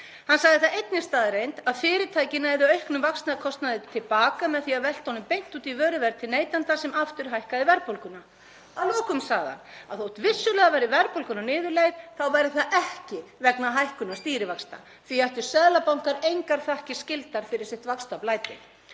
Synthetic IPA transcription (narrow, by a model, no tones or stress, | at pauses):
hansaɣðɪθaejt̪̚nɪst̪aːðɪɾejnt̪aðfɪːɾɪt̪ʰaːjcɪnaɛðɪœɥhknʏmvakstnakʰɔst̪naðɪt̪ʰɪlpaːkamɛðθiavɛl̥t̪ownʏmpejn̥t̪uːt̪ivœːɾʏvɛɾt̪ʰɪlneːjt̪ant̪asɛmaft̪ʏɾ̥ɦajhkaðɪvɛɾpowlkʏna | awlɔːkʏmsaːɣða̰na̰ðθowt̪vɪsːʏlɛːɣavajɾɪvɛɾpowlkʏnanɪːðʏɾlejðθawvajɾɪθaðɛhcɪvɛknaɦajhkʏnast̪iːɾɪvaksna̰ | θviaht̪ʏ̥sɛːðlapawŋ̥kaɾejŋkaɾ̥θahcɪscɪlt̪aɾ̥fɪɾɪɾ̥sɪht̪vakst̪aplaːjt̪ɪ